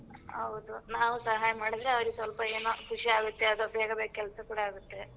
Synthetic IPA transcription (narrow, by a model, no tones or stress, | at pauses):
ɦɐwud̪unaːʋusɐɦaːjɐmaːɽid̪ɾeɐʋɐɾiɡsʋɐlpɐe̞ːnukʰuʂiaːɡut̪ːeɐd̪ubʱeːɡɐbeːkkɛlɐsɐkuːɽaaːɡut̪ːe̞